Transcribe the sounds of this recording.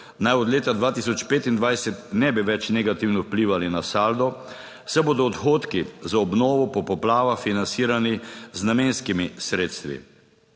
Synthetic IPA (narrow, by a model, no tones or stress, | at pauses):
najɔd̪leːt̪ad̪ʋaːt̪isɔt͡ʃpeːt̪ind̪ʋajsɛt̪nɛbiʋɛt͡ʃnɛɡat̪iwnɔwpliːʋalinasaːld̪ɔ | sɛboːd̪ɔːt̪xoːt̪kizaɔbnɔːʋɔpɔpɔplaːʋafinansiːɾaniznameːnskimisɾeːt̪st̪ʋḭ